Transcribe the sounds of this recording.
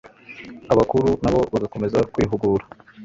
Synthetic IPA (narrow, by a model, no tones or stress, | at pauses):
aβakuɾunaβo̞βaɡako̞me̞zakwiːɦuɡuːɾa